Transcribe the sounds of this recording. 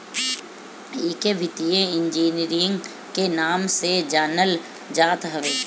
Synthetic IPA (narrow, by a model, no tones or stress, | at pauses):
iːkeʋʱɪt̪ijẽɪ̃ɲd͡ʒiːniɾɪ̃ŋɡ | kenaːmsed͡ʒəːɾnəl | d͡ʒaːt̪ɦɐʋeː